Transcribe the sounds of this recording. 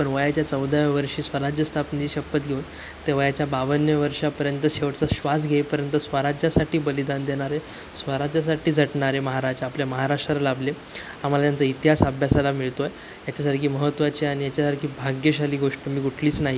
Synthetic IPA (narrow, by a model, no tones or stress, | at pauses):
pəɳʋəjat͡ɕjat͡səwd̪ʱaʋəɾʂiːsʋəɾad͡ʑjəst̪ʰapnid͡ʑiːɕəpːət̪ɡʱeun | t̪eʋ̤ajat͡ɕjabaʋənjəʋəɾʂapəɾjənt̪əɕeʋəʈt͡səɕʋas̬ɡʱeipəɾjənt̪əsʋəɾad͡ʑjasaʈiːbəlid̪and̪eɳ̃aɾe | sʋəɾad͡ʑjas̬aʈiːd͡zʱəʈɳaɾeməɦaɾad͡zapljaməɦaɾaʂʈɾalalable | am̤alat̪jant͡səit̪iɦasabʱjasalamiɭt̪oe | jat͡ɕasaɾkʰiːməɦət̪ːʋat͡ɕiaɽ̃ijat͡ɕasaɾɡʰiːbʱaɡjəɕaliːɡoʂʈəmiːkuʈʰliːt͡snaɦi